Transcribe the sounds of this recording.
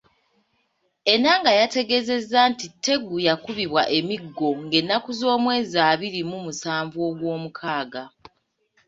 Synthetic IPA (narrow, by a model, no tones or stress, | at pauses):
e̞naŋɡajate̞ɡe̞ze̞zːantitʰːe̞ɡujakuβiβwaʔe̞miɡːo̞ŋɡe̞nːakuzo̞ːmwe̞ːziaːβiɾimumusaːɱvuo̞ːɡwo̞ːmukʰaːɡa